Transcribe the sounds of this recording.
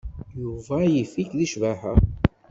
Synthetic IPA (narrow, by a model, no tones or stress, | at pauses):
juvæjifikðiʃvaħæ